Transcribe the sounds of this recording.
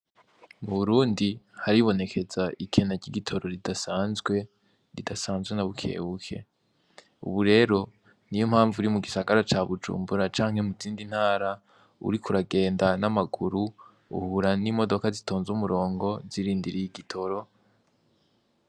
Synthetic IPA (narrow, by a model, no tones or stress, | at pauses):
muβuɾuːndihaɾiβo̞ne̞kʰe̞zaʔikʰe̞naɟiɡitʰo̞ɾo̞ɾidasaːnzɡwe̞ | ɾidasaːnzɡwe̞naβukʰe̞̰ːβukʰe̞̰ | ṵβuɾe̞ːɾo̞ | nijomhaːɱvuɾimuɡisaɡaɾat͡ʃaβud͡ʒṵːmbuɾat͡ʃaːŋhe̞muziːndin̥haːɾa | ṵɾikuɾaɡe̞ːndanamaɡuɾu | ṵhuɾanimo̞do̞kazitʰoːnzumuɾo̞ːŋɡo̞ziɾiːndiɾijiɡitʰo̞ɾo̞